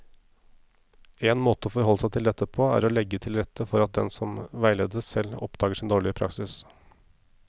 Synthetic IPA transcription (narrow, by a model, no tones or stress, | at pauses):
eːnmoːt̪əoːfɔɾɦɔlːsæɪt̪ʰɪld̪ɛt̪ːəpʰoːæ̰ːɾɔlɛɡːət̪ʰɪlɾɛt̪ʰːəfɔɾɑt̪̚d̪ɛ̰nsɔmʋæɪleːd̪əsɛlːɔ̰pd̪ɑːɡəʂɪnd̪oːɭɪəpʰɾɑ̰ksɪs